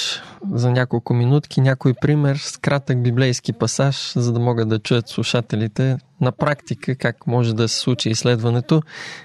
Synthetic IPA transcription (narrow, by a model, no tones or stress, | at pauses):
zɐnʲakolˠkʊminut̪k̟inʲakojpɾimɛɾskɾat̪əɡ̚biblɛjsk̟ipɐsaʃzɐd̪ɐmɔɡəd̪ɐt͡ʃujət̪slˠuʃat̪ɛlit̪ɛ | nɐpɾakt̪ikəkakmɔʒɛd̪ɐsɛ̥slˠut͡ʃiːsːlɛd̪vɐnɛt̪o